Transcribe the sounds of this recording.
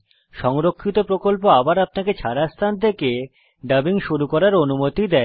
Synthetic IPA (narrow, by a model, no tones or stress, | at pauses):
ʃɔŋɾokʰːit̪opɾokolpoabaɾap̚naket͡ɕʰaɾast̪ʰand̪ʰeke | ɖəbiŋʃuɾukɔɾaɾonumot̪id̪ɛe